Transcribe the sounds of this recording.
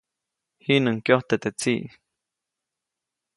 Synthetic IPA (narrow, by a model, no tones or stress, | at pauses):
hinɨŋkjoht̪et̪et͡siʔ